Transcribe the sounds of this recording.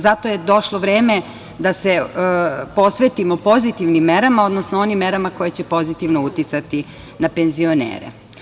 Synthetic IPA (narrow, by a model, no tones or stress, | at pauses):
zat̪o̞jed̪o̞ʃlˠoʋɾeːme | d̪ase̞ | po̞sʋe̞t̪imo̞po̞zit̪iʋnimːe̞ɾamao̞d̪nosnoo̞nimːe̞ɾamako̞jet͡ɕepo̞zit̪iʋno̞ut̪it̪sat̪i | nape̞nzio̞nḛːɾḛ